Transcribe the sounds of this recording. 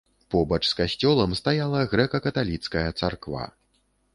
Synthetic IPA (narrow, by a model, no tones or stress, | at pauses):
pɔbɐt͡ʂskasʲt͡sʲɔlˠɐmst̪ajalˠɐɣɾɛkɐkɐt̪alʲit̪skɐjɐt̪sa̰rkva̰